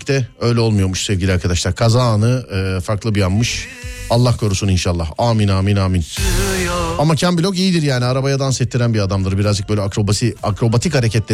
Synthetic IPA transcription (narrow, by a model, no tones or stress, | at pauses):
ct̪ʰɛø̞jlʲɛo̞lˠmujo̞ɾmuʃsɛvɟilʲiaɾkʰad̪aʃlˠaɾkʰazaːnɯɯːfaɾklˠɯbijammɯʃ | alˠːahkʰo̞ɾusuninʃalˠːahaːminaːminaːmin | amacʰæmbilʲo̞kijid̪iɾjaːniaɾabajad̪ansɛt̪ʰːiɾænbiad̪amd̪ˠɯɾbiɾazd͡ʒɯk̚bølʲɛakɾo̞basiakɾo̞bat̪ʰikhaɾecʰɛt̪lʲe